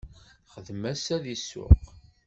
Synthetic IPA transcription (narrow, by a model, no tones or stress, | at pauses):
χəðmæsæðisʊ̰q